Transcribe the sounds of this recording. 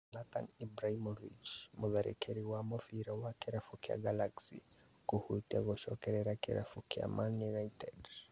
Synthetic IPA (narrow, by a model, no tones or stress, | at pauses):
lat̪a̰nibɾahimɔvḭt͡ʃmuðaɾɛ̰kɛɾiwamɔfiɾawakɛɾafukia̰ɡalaksḭ | kuhut̪aɣɔʃɔkɛɾɛɾakɛɾa̰fukia̰manjunaitɛd